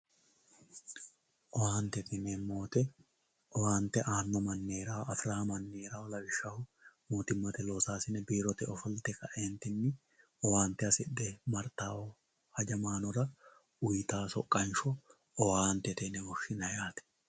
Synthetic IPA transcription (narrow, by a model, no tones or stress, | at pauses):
ʔɔwaːnt̪ɛt̪ɪnemoːt̪ɛ | ʔɔwaːnt̪ɛʔaːnːɔmɐnːe̞ːɾaːɐfɾaːmɐnːeːɾaːwɔlɐbɪʃːɐhʊmoːt̪ɪmːɐt̪ɛlo̞ːsaːsɪnɛbiːɾɔt̪ɛɔfɔlt̪ɛkɐʔeːnt̪ɪnːɪ | ɔwaːnt̪ɛɐsɪd̪ɛmɐɾt̪aːwɔ | hɐd͡ʒɐmaːnɔɾɐ | ʊjt̪aːsɔkʼːɐnʃɔ | ɔwaːnt̪ɛt̪ɛnɛbɔʃɪnɐjaːt̪ɛ̥